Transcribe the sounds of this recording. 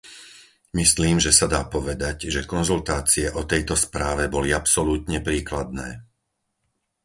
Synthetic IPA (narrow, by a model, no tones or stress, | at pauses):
misliːmʒɛsad̪aːpɔʋɛd̪aɟʒɛkɔnzult̪aːt͡siɛʔɔt̪ɛjt̪ɔspɾaːʋɛbɔliapsɔluːt̪ɲɛpɾiːklad̪̚nɛː